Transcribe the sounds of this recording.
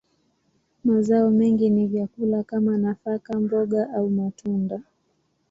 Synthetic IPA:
mazaɔmɛŋɡinivjakulakamanafakambɔɠaʔaumatʰunda

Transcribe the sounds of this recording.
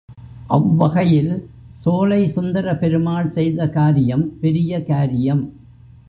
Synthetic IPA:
ʔɐʋʋɐɣɐjɪl | soːlɐɪsʊnd̪ɐɾɐpɛɾɯmaːɭsɛjðɐkaːɾɪjɐmpɛɾɪjɐkaːɾɪjɐm

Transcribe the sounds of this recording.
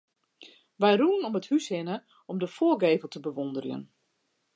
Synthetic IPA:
ʋɛjruənɔməthyshɪnə | ɔmdəfoːəɡeːvəlˠtəbəʋondərjə̰n

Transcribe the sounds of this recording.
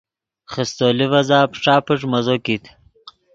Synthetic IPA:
χəst̪oːlivɐzaːpʂaːpəʈ͡ʂ̬mɐzokit̪

